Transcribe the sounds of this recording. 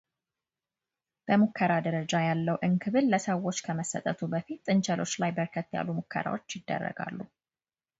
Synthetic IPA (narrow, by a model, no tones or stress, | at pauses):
b̥əmukʰːəɾad̪əɾəd͡ʒajalːəwʔɨŋkʰɨβɨlːəsəwːo̞t͡ʃːkʰəməsːət̪ʼət̪ʰubəfit̪ːɨnt͡ʃʰɛlo̞t͡ʃːlajbəɾkʰət̪ːja̰lːumukʰːə̰ɾa̰wot͡ʃːjɪd̪ːə̰rːə̰ɡa̰lːu